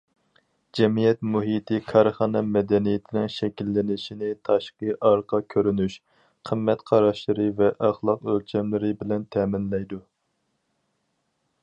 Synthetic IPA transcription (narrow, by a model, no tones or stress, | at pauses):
d͡ʒɛmijɛt̪muɦit̪ʰɪkʰɑɾχɑnɑmɛd̪ɛnijɪt̪ʰɪnɪŋʃɛkʲilːɪnɪʃinɪt̪ʰɑʃqəʔɑɾqʰɑkʲʰøɾynyʃ | qʰəmːɛt̪qʰɑɾɑʃlˠɨɾɨvɛʔɑχlˠɑqølt͡ʃʰɛmlɪɾɪbɪlɛnt̪ʰɛːmɪnlɛjd̪u